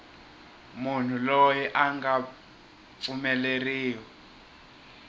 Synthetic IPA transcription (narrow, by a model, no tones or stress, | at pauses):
mun̤ʰulojɛʔaŋɡa | pumɛleriːwɔ